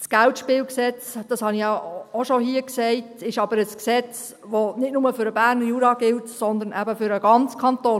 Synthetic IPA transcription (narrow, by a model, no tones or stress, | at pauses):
sɡ̥æltʃpɪːlksɛt͡sd̥ɑshɑnijɑoʃohiːəksɛɪtɪʃɑbəɾəsksɛt͡s | ʋonɪtnʊməfʏɾəbæɾnəɾjuːɾɑɡɪltsɔnd̪ənʔæbəfʏɾəɡɑnt͡skʰɑntoː